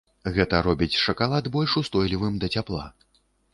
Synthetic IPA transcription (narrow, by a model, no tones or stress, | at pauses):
ɣɛt̪ɐɾɔbʲit͡sʲʂɐkalˠad̪bɔlʲʂust̪ɔjlʲivɨmd̪ɐt͡sʲaplˠa̰